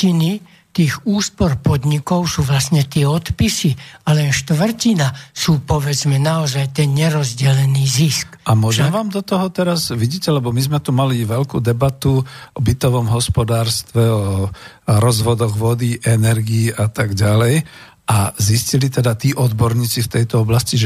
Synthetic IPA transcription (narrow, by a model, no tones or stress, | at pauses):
ini | t̪iːɣuːspɔɾpɔd̪ɲikɔʊsuːʋlasɲɛt̪ɪɛɔt̪pisialɛnʃt̪ʋr̩cinasuːpɔʋɛd͡zmɛnaɔzajt̪ɛnɲɛɾɔzɟɛlɛniːziskamʊɔʒɛmɛʋaːmd̪ɔt̪ɔɦɔt̪ɛɾazʋiɟiːcɛlɛbɔmizmɛt̪umaliʋɛlkuːd̪ɛbat̪uʔɔbit̪ɔʋɔmɦɔspɔd̪aːɾst̪ʋɛɔ | ɾɔzʋɔd̪ɔɣʋɔd̪iʔɛnɛɾɡiːʔat̪aɡɟalɛj | ʔaziscilit̪ɛd̪at̪iːʔɔd̪bɔɾɲiːt͡sift̪ɛjt̪ɔɔblasciʒɛ